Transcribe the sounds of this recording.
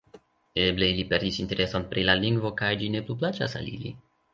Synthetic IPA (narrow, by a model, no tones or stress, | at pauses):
eble̞ilipe̞ɾdisinte̞ɾʔe̞sonpɾilaliŋɡvo̞kajd͡ʒine̞plup̬lat͡ʃa̰sa̰lḭlḭ